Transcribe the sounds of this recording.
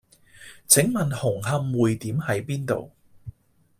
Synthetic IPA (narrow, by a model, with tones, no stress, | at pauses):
t͡sʰɪ˨˥ŋmɐ˨nhʊ˨˩ŋɦɐ˧˥mwuː˨jt̪iː˨˥mhɐ˨˥jpiː˥nt̪o̰˨w